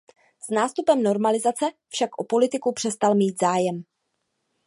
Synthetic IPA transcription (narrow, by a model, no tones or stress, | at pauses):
snaːst̪upɛmno̞ɾmalɪzat͡sɛfʃakʔopo̞lɪt̪ɪkupr̥ɛst̪almiːt̪zaːjɛm